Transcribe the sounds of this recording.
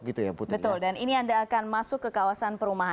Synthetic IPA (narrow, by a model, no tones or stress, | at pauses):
ɡit̪ujaputb̪əʊldaniniandaːkanmasʊkːəkawasanpəɾumaɦa